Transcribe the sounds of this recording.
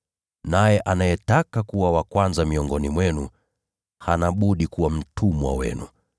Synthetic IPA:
najɛʔanajɛtakakuwawakwanzamiɔŋɡɔnimwɛnu | hanaɓuɗikuwam̩tʰumwa̰wɛ̰nṵ

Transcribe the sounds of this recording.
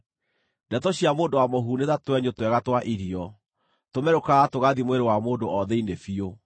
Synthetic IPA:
dɛtɔɕiamoːndowamoɦuːneðatwɛɲotwɛɣatwaʔiɾiɔ | tomɛɾokaːtoɣaðimweɾewamoːndoʔɔðɛinefio

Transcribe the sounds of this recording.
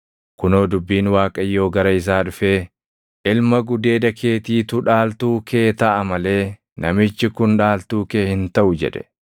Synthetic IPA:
kʊnoːd̪ʊbːiːnwaːkʼɐjːo̞ːɡɐɾɐɪs̬aːᶑʊfe̞ː | ʔɪlmɐɡʊd̪e̞ːd̪ɐkʰe̞ːt̪iːt̪ʊᶑaːlt̪uːke̞ːt̪ɐʔɐmɐle̞ː | nɐmɪt͡ʃːɪkʊnᶑaːlt̪uːkeːhɪnt̪ɐʔʊd͡ʒɛ̰ᶑɛ̥̰

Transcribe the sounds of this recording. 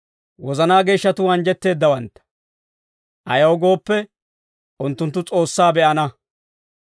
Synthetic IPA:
wɔzɐnaːɡe̞ːʃːɐt̪ʊɐnd͡ʒɛt̪ːe̞ːd̪ːɐwɐnt̪ːɐ̥ | ʔɐ̰jɐwɔɡo̞ːpːɛ | ʊnt̪ːʊnt̪ːʊt͡sʼo̞ːsːaːbɛʔɐnɐ

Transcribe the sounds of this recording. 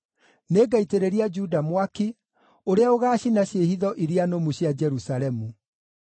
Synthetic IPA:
neːɡaiteɾeɾiad͡ʒudamwaki | oɾeaoɣaːɕinaɕjeɦiðɔʔiɾianomuɕjad͡ʒɛɾusaɾɛmu

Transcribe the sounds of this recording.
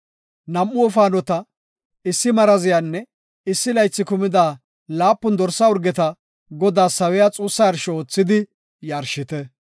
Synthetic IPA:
nɐmːʊɔfaːnɔt̪ɐ | ɪsːɪmɐɾɐzɪjanːɛ | ɪsːɪlɐjt͡sːɪkʊmɪd̪aː | laːpːʊnd̪ɔɾsɐʊɾɡɛt̪ɐ | ɡɔd̪aːsɐwɛjat͡sʼuːsːɐjɐɾʃɛoːt͡sːɪd̪ɪ | jɐːɾʃɪt̪ɛ

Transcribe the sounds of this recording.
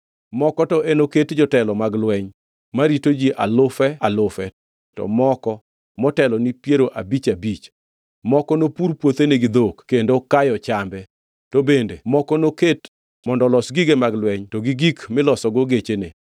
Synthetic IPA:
mɔkɔtɔʔenoketd͡ʒɔtɛlɔmaɡlwɛɲ | maɾitod͡ʒiʔa̰lʊfɛalʊfɛ | tɔ̰mɔkɔ | mɔtɛlɔnipjeɾoʔabit͡ʃabit͡ʃ | mɔkɔnopuɾpwot̪eneɡid̪okkːendokajɔt͡ʃambɛ | tobendemɔkɔnoket | mɔndɔlɔsɡiɡemaɡlwɛɲtɔɡiɡikmɪlɔsɔɡoɡet͡ʃenḛ

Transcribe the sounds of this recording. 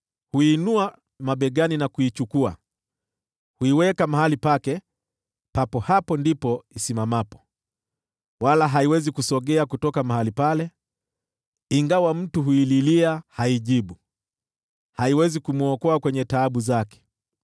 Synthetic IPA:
huinua | maɓɛɠaninakuit͡ʃukua̰ | huiwɛkamaɦalipakɛ | papɔhapɔndipɔisimamapɔ̥ | walaɦaiwɛzikusɔɠɛakutɔkamaɦalipalɛ | iŋɡawam̩tuɦuililiahaiʄiɓu | haiwɛzikumuɔkɔakwɛɲɛtaːɓuzakɛ̥

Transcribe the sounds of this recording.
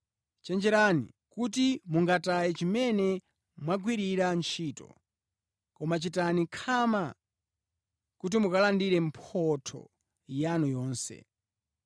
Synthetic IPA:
t͡ʃɛnd͡ʒɛɾanḭ | kutimuŋɡatajɛt͡ʃimɛnɛ | mwaɡwiɾiɾant͡ʃʰiːtɔ̰ | kɔmat͡ʃitanikʰama | kut̬imukalandiɾɛm̩pʰɔtʰɔ̰ | janujɔːnsɛ̰

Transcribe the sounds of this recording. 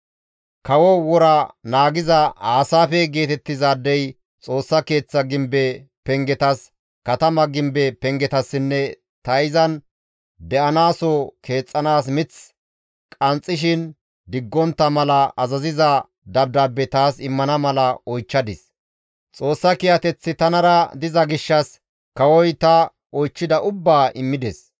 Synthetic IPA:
kɐwɔwɔɾɐnaːɡɪzɐaːsaːfɛɡe̞ːt̪ɛt̪ːɪzaːd̪ːɛj | t͡sʼo̞ːsːɐke̞ːt͡sːɐɡɪmbɛpɛŋɡɛt̪ɐs | kɐt̪ɐmɐɡɪmbɛpɛŋɡɛt̪ɐsːɪnːɛ | t̪ɐjɪzɐn | d̪ɛʔɐnaːsɔkʰe̞ːt͡sʼːɐnaːs̬mɪt͡s | kʼɐnt͡sʼːɪʃ̬ɪn | d̪ɪɡːɔnt̪ːɐmɐlɐɐzɐzɪzɐ | d̪ɐb̚d̪aːbːɛt̪aːsɪmːɐnɐmɐlɐɔjt͡ʃːɐd̪ɪs | t͡sʼo̞ːsːɐkɪjɐt̪ɛt͡sːɪt̪ɐnɐɾɐd̪ɪzɐɡɪʃːɐs | kɐwɔjt̪ɐ | ɔjt͡ʃːɪd̪ɐʔʊbːaːʔɪmːɪd̪ɛs

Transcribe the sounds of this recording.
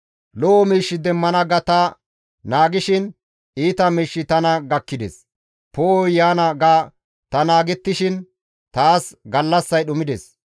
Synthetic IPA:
lɔʔɔmiːʃːɪd̪ɛmːɐnɐɡɐt̪ɐ | naːɡɪʃɪn | ʔiːt̪ɐmiːʃːɪt̪ɐnɐɡɐkːɪd̪ɛ̰s | poːɔjaːnɐɡaː | t̪ɐnaːɡɛt̪ːɪʃɪn | t̪aːsɡɐlːɐsːɐjɗʊmɪd̪ɛs

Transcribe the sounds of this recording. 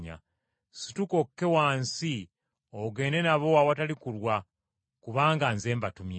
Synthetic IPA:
a̰ | si̥tuko̞kːe̞waːnsi | oɡe̞ːnenaβo̞awatalikulwa | kuβaːŋɡanze̞ːmbatumje

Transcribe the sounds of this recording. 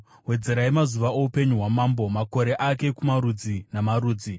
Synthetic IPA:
ɦwe̞d͡ze̞ɾaimazuʋaoupe̞ɲuɦwamambo̞mako̞ɾe̞ʔake̞kumaɾud͡zinamaɾuːd͡zi

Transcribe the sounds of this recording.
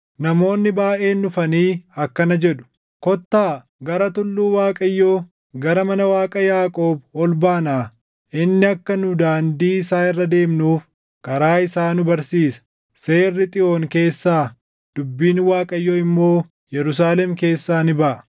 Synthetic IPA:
nɐmo̞ːnːɪbaːʔe̞ːnːʊfɐniːɐkːɐnɐd͡ʒɛᶑʊ̥ | kɔt̪ːaː | ɡɐɾɐt̪ʊlːuːwaːkʼɐjːoː | ɡɐɾɐmɐnɐwaːkʼɐjaːkʼo̞ːbɔlbaːnaː | ʔɪnːɪɐkːɐnʊd̪aːnd̪iːɪsaːɪrːɐd̪e̞ːmnuːf | kɐɾaːɪsaːnʊbɐɾsiːsɐ̥ | se̞ːrːɪt̪ʼɪʔo̞ːŋke̞ːsːaː | d̪̥ʊbːiːnwaːkʼɐjːoːɪmːo̞ː | jɛɾʊs̬aːlɛmke̞ːsːaːnɪbɐʔɐ

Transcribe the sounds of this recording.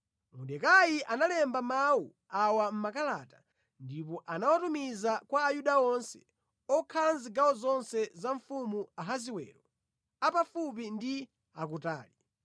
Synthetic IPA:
muɗɛkajiʔanalɛmbamawu | awam̩makalaːta | ndipɔʔanawatumizakwaːjuɗaɔnsɛ̥̰ | ɔkʰalanziɡawɔzɔnsɛzaɱfumuaɦaziwɛ̰ːɾɔ | apafup̬indi | akuta̰ːli

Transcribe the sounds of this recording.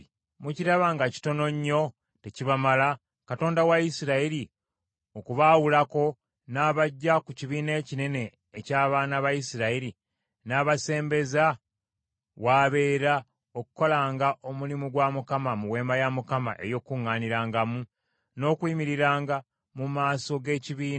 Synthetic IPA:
muciɾaβaŋɡaci̥to̞no̞ɲːo̞ | te̞ciβamala | kato̞ːndawajisiɾaiɾi | o̞kuβawulako̞ | naːβaɟːakuciβiːne̞cine̞ne̞ː | caːβaːnaβajisiɾaiɾi | naːβase̞ːmbe̞za | waːβe̞ːɾa | o̞kuko̞laːŋɡaʔo̞mulimuɡwamukamamuwe̞ːmbajamukama̰ʔe̞̰jo̞ːkuŋːaːniɾaːŋɡamu | no̞ːkwiːmiɾiɾaːŋɡa | mumaːso̞ɡe̞ːciβiːna

